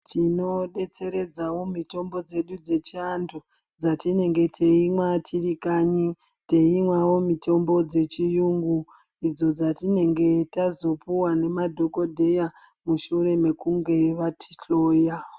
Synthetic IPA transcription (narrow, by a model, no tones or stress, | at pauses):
tino̞ɗe̞t͡se̞ɾe̞d͡zawo̞mito̞mbo̞d͡ze̞ɗud͡ze̞t͡ʃiandʰu | d͡zatine̞ŋɡe̞tʰe̞imwatʰirikaɲi | te̞imwawo̞mito̞mbo̞d͡ze̞t͡ʃijuŋɡu | id͡zod͡zatine̞ŋɡe̞tazo̞puwane̞madʱo̞ko̞dʱe̞jamuʃure̞me̞kuŋɡe̞ʋatʰi̥ɬo̞ːja